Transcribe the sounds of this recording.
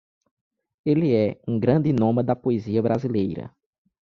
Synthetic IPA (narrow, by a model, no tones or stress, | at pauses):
eliɛũɡɾɐ̃d̪ɪnõmɐd̪ɐpoeziɐbɾazilejɾɐ̰